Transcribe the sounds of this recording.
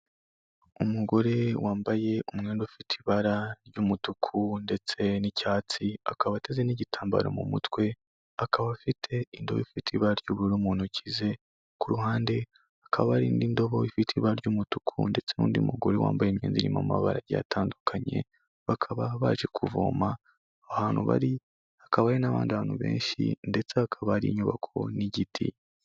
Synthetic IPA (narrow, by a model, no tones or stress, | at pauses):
umuɡo̞ɾe̞waːmbaje̞umŋeːndofitʰiβaɾaɾɟumutukʰunde̞t͡se̞nicaːt͡sia̰kaβatezeniɟitʰaːmba̰ɾo̰mṵmṵtwe̞ | akʰaβaβafitʰe̞indo̞βoifitʰiβaɾaɾɟuːβuɾuɾumuːnucize̞ | kuɾuɦaːnde̞ | akʰaβaβaɾiːndindo̞βo̞ifitʰiβaɾɟuːmutu̥kʰunde̞t͡se̞nṵːndimuɡuɾewa̰ːmbajemɲeːnziɾima̰maβaɾaja̰tʰaːndukʰaɲe̞̰ | βakʰaβaβaʒe̞kʰuvo̰ːma | ahaːn̥huβa̰ɾi | akaβaːɾinaβa̰ːndiaβaːn̥huβe̞̰ːnʃḭnde̞t͡seakʰaβaɾiɲuβakʰo̞̰niɟitʰi